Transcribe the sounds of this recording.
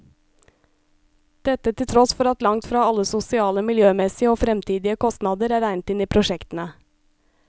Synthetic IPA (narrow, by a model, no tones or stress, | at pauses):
d̪̥ɛt̪ət̪ʰɪlt̪ʰɾɔsfɔɾɑt̪lɑŋt̪fɾɑːɑləsʊsɪɑːləmɪljøːmɛsɪəoːfɾɛmt̪ʰiːd̪ɪəkʰɔst̪nɑːd̪əɾæːɾæɪnət̪ɪniːpʰɾʊʃɛkt̪n̩ə